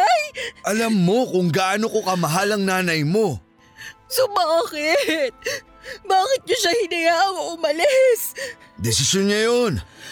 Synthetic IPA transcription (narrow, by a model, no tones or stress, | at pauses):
ajʔɐlɐmːo̞kʊŋɡaʔnokokɐmɐɦalɐŋnaːnɐjmo̞ | sobakɪt̪̚ | baːkɪt̪̚ɲʊʃɐhɪnɐjaʔɐŋoʔʊmɐlɪsd̪ɛsɪsjonɲɐjon